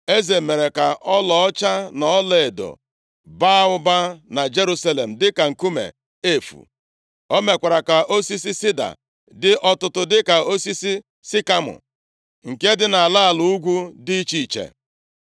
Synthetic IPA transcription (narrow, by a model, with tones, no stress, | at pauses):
e˦ze˨me˨ɾe˨ka˨ʔɔ˦lɔ˨ɔ˦t͡ʃa˦nɔ˨ɔ˦le˨do̰˨ | ba˦ʊ˦ba˦na˨d͡ʒe˦ɾu˦sa˦le˨m̩˨dɪ˦ka˨ŋ̩˨ku˦mḛ˨ | e˦˨fṵ˨ | o˦me˨kʷa˨ɾa˨ka˨ʔo˦si˦si˦sɪ˦da̰˨ | dɪ˦ʔɔ˦tʊ˦tʊ˦dɪ˦ka˨o˦si˦si˦ | sɪ˦ka˦mʊ̰˨ | ŋ̩˨ke˦dɪ˦na˨a˨la˦a˦˨lu˨˦u˦ɡʷu˦di˦t͡ʃi˦˨t͡ʃḛ˨